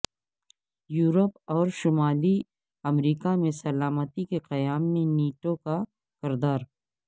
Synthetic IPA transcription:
juːɾəpɔːɾʃʊmaːli | ɐmɾiːkamẽsɐlaːmət̪ikeqɐjaːmːẽniːʈoka | kɪɾd̪aːɾ

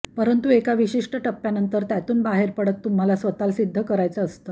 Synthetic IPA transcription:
pəɾənt̪uekaʋiɕiʂʈəʈəpːjanənt̪əɾt̪jat̪uːnbaɦeɾpəɽət̪ːum̤alasʋət̪alsid̪ʱːəkəɾajt͡səːst̪ə

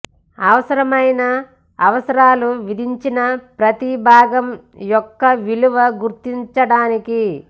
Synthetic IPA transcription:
ɐʋɐsɐɾɐmɐjnɐ | ɐʋɐsɐɾaːluʋid̪ʱiɲt͡ʃinɐpɾɐt̪ibʱaːɡɐm | jɔkːɐʋiluʋɐɡuɾt̪iɲt͡ʃɐɽaːniki

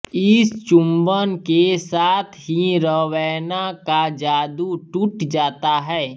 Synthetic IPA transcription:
ɪst͡ʃʊ̃mbənkesaːt̪ʰɦiɾəʋɛːnakad͡ʒaːd̪uʈʊʈd͡ʒaːt̪aɦɛː

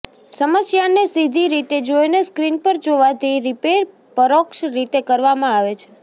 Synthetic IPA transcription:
səməsjanesid̪ʱiɾit̪ed͡ʒojneskɾinpəɾd͡ʒoʋad̪iɾipeɾ | pəɾokʃɾit̪ekəɾʋamãaʋet͡ʃʰe̥

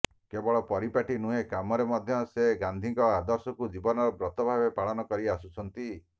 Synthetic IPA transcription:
kebɔɭɔpɔɾipaʈinuɦekamɔɾemɔd̪ʱjɔseɡand̪ʱiŋkɔad̪ɔɾsɔkud͡ʒibɔnɔɾɔbɾɔt̪ɔbʱabepaɭɔnɔkɔɾiasut͡ʃʰɔnt̪i

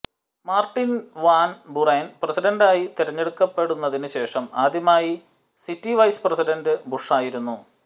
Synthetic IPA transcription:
maːrʈːinʋaːnbureːnpresiɖɐndaːjit̪iɾɐɲːe̞ɽukːɐpːe̞ɽunːɐðinɨɕe̞ːʂɐmaːd̪jɐmaːji | sitːiʋɐjspresiɖɐndɨbuʂaːjiɾunːu

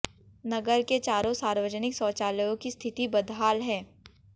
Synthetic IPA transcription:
nɐɡəɾket͡ʃaːɾõsaːɾwəd͡ʒənɪksɔːt͡ʃaːləjõkist̪ʰɪt̪ibɐd̪ʱɦaːlɦɛ̃ː

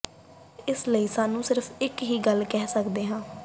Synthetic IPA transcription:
ɪsləiːsaːnũːsɪɾəfʰɪkɦiːɡəlkɛːsəkd̪eːɦãː

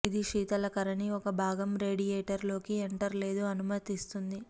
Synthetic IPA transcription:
id̪iʃiːt̪ɐlɐkɐɾɐniɔkɐbʱaːɡɐmɾe̞ːɖijeːʈɐɾlo̞ːkieɳʈɐɾle̞ːd̪uɐnumɐt̪ist̪und̪i

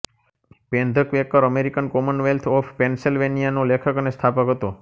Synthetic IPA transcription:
pẽnd̪ʱəkʋekːəɾəmeɾikənkɔmənʋelt̪ʰɔpʰpensilʋenijanolekʰəkənest̪ʰapəkɦət̪o

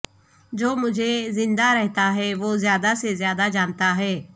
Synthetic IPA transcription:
d͡ʒoːmʊd͡ʒʱezɪ̃nd̪aɾɛɦt̪aɦɛːʋoːzjaːd̪asezjaːd̪ad͡ʒaːnt̪aɦɛː

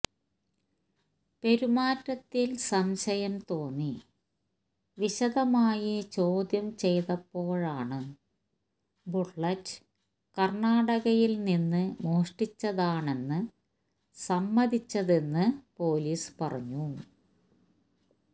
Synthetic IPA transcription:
pe̞ɾumaːtːɐt̪ːilsɐmɕɐjɐmt̪o̞ːnːi | ʋiɕɐðɐmaːjit͡ɕo̞ːd̪jɐmt͡ɕe̞jt̪ɐpːo̞ːɻaːɳɨ | buʈːɐt | kɐrɳaːɽɐɣɐjilninːɨmoːʂʈit͡ɕːɐðaːɳe̞nːɨ | sɐmːɐðit͡ɕːɐðe̞nːɨpo̞ːliːspɐrɐ̰ɲːu

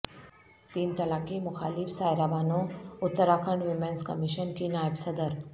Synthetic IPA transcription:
t̪iːnt̪ɐlaːkimʊxaːlɪfsaːjɾabaːnoʊt̪ːəɾakʰəɳɖʋimẽnskə̰miʃənkinaːjəbsəd̪əɾ

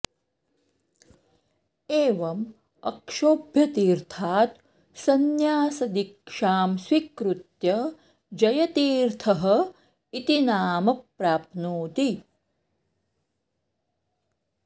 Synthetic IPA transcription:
eːʋɐm | ɐ̰kʂoːbʱjɐt̪iːɾt̪ʰaːt̪ | sɐnjaːsɐd̪ikʂaːmswikɾut̪jɐ | d͡ʒɐjɐt̪iːɾt̪ʰɐɦɐ̆ | it̪inaːmɐpɾaːpnuːt̪i

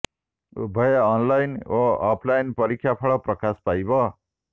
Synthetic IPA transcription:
bʱʌjeʌnlajnoapʰlajnpʌɾikʰːjapʰʌɭʌprʌkaspajbʌ

